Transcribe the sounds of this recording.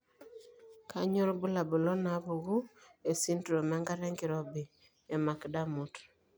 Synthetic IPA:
kʰa˦ɲɔ˦lbʊ˦la˨bɔ˨lɔ˦na˨˦bu˨ɡu˦e˨si˦ntɾo˨ma˦ŋɡa˦ɾɛ˦ŋki˨ɾɔ˨biː˨ | ma˨kda˦mu˨t

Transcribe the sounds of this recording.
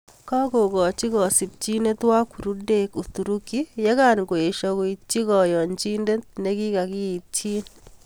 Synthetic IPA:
ka˦ɡo˨ɡɔ˨t͡ʃi˦ɣɔ˨si˨p̚t͡ʃi˦ne˦t̪wa˦ku˨ɾu˦de˨ku˨t̪u˨ɾu˦ki˦je˦ka˦˨nɡo˨e˨ʃɔ˨ko˨i˨tt͡ʃːi˦ɣɔ˨jɔ˨ɲt͡ʃi˦nde˦t̪̚ne˦ɡi˦ka˨ɡi˦i˨t̚t͡ʃi˦n

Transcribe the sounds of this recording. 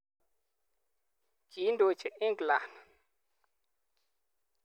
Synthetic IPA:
ɡi˨˦ndo˨t͡ʃe˨ʔi˦ŋɡla˨n

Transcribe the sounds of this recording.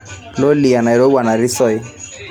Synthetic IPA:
lo˦li˨a˨na˨i˨ɾo˦wa˨na˨ɾi˦sɔ˦i˦

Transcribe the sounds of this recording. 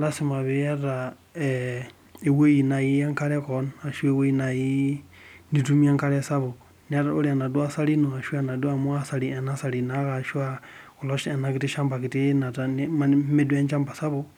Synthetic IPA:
la˦si˨ma˨βi˦ja˦ɾa˨ | ɛ˨ | e˨we˦ji˨na˨ji˦ja˦ŋka˦ɾɛ˦kɔ˨˦na˨ʃu˦e˦we˦ji˦na˨ji˦ | ni˦tu˦mi˦a˦ŋka˦ɾɛ˦sa˦βo˨ | n˦a˦ɾa˨o̰˦ɾi˦a˨na˨du˦a˦sa˦li˦no˨a˨ʃu˦a˦˨na˨du˦a˦˨mu˦a˦sa˨li˨ɛ˨na˦sa˨ɾi˨na˦ka˨ʃu˦a˦kɔ˨lɔ˦ʃɛ˨na˨ki˦ti˦ʃa˦mba˨ki˨ti˦na˨ta˦n˦a˦me˦du˦a˦nt͡ʃa˦mba˨sa˦βo˦

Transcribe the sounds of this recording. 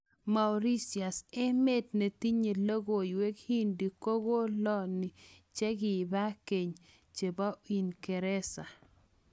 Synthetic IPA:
ma˨u˨ɾi˦si˨a˨sɛ˦me˦dne˨ti˦ɲe˨lo˦ɡo˨ɪ˨we˦khi˦ndi˨ko˦ɡo˦lɔ˦nɪ˨t͡ʃɛ˦ɡɪ˨ba˦ke˨ɲ | t͡ʃe˨ba˦i˨nkɛ˨ɾɛ˦sa˨

